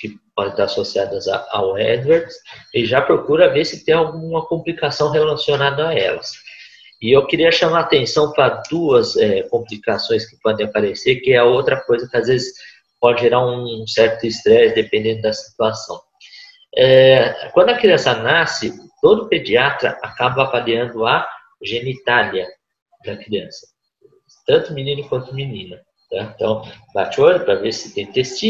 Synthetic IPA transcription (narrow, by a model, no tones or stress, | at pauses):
kɪpɔd̪ẽt̪aɾasosiad̪ɐza̰a̰wɛd̪wɛɾd̪sɪʒapɾokuɾɐvesɪt̪ẽj̃awɡũũmɐkõmplikasɐ̃w̃ɦelasionad̪ɐaɛlɐs | ɪewkɪɾiɐʃãmaɾat̪ẽsɐ̃w̃pɾɐd̪uɐsɛkõmplikasõj̃skɪ̥pɔd̪ẽj̃apaɾeseɾkɪɛɐowt̪ɾɐkojzɐkɪazvezɪs | pɔd͡ʒɪʒeɾaɾũsɛɾt̪ʊɪst̪ɾɛsd̪epẽnd̪ẽnd̪ʊd̪ɐsi̥t̪uasɐ̃w̃ | ɛkwɐ̃nd̪ʊɐkɾiɐ̃sɐnasɪt̪od̪ʊped͡ʒiat̪ɾɐ̰ʔakabɐavaliɐ̃nd̪ʊɐ | ʒenit̪aljɐ | d̪ɐkɾiɐ̃sɐ̥ | t̪ɐ̃nt̪ʊminĩnʊkwɐ̃nt̪ʊminĩnɐ | nɛ̃t̪ɐ̃w̃bat͡ʃolɪpɾɐveɾsɪ̥t̪ẽj̃t̪est͡ʃi